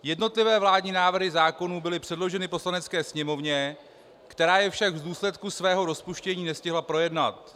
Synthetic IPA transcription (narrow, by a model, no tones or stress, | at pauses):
jɛdno̞t̪lɪvɛːvlaːdɲinaːvr̩ɦɪzaːko̞nuːbɪlɪpr̥ɛdlo̞ʒɛnɪpo̞slanɛt͡skɛːsɲɛmo̞vɲɛ | kt̪ɛɾaːjɛfʃaɡvduːslɛt̪kusvɛːɦo̞ɾo̞spuʃcɛɲiːnɛscɪɦlapɾo̞jɛdnat̪